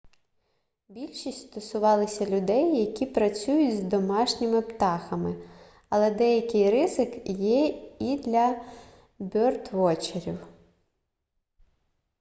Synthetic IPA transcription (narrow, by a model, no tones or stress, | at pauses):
bʲilʲʃisʲtʲst̪ɔsʊʋɑlˠɪsʲɐlʲʊd̪ɛjjɐkʲipɾɐt͡sʲujʊtʲzd̪ɔmɑʃnʲɪmɪpt̪ɑxɐmɪ | ɐlˠɛd̪ɛjɐkɪjɾɪzɪkjɛid̪lʲɐ | bʲɔrt̪ʋɔt͡ʃɪɾʲḭw